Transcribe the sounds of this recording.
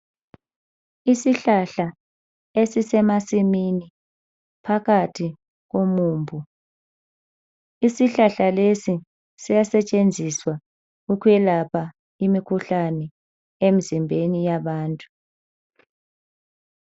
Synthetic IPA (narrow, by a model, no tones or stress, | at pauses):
isiɬaɬa | esisɛmasimini | pʰakatʰi | ɣ̬omuːmbʱu | isiɬaɬalesi | sijasɛt͡ʃʼend͡zʱiswa | ukʰwɛlapʰa | imikʰuɬanɛ | em̩zimbʱenijaβaːntʼu̥